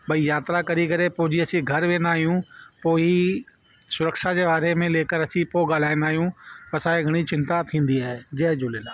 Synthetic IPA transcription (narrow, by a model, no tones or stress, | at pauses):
ɓɐijaːt̪ɾakɐɾikɐɾepʊɦɪd͡ʑiɐsĩɡʱɐɾʋẽːnd̪aːɦijũpoːi | sʊɾəkʃad͡ʑeːʋaːɾemẽleːkəɾɐsĩpoːɠaːl̤aːĩnd̪aːɦijũpɐsaːeɡʱɐɽ̃it͡ɕɪ̃nt̪at̪ʰĩːn̆d̪iaːɦed͡ʑɐɦd͡ʑʊlelaː